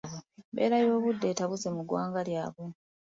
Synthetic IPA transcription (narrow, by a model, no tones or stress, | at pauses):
ebe̞̰ːɾajo̞ːβudːe̞ːtaβuse̞muɡwaːŋɡaljaːβwe